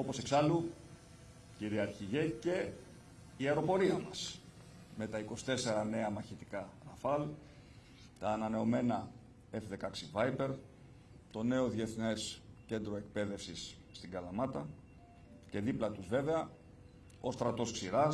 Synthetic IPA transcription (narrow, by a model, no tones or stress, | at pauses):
o̞po̞se̞ksɐlu | ciɾiɐɾçiʝece̞ | ieɾo̞po̞ɾiɐmɐs | me̞t̪ɐiko̞si̥t̪e̞se̞ɾɐne̞ɐmɐçit̪i̥kɐɾɐfɐl | t̪ɐːnɐne̞o̞me̞nɐ | e̞fðe̞kɐksivɐjpe̞ɾ | t̪o̞ne̞o̞ðie̞θne̞sce̞nd̪ɾoe̞k̚pe̞ðe̞fsisː | t̪iɡɐlɐmɐt̪ɐ | ce̞ðiplɐt̪uzve̞ve̞ɐ | o̞st̪ɾɐt̪o̞sksiɾɐ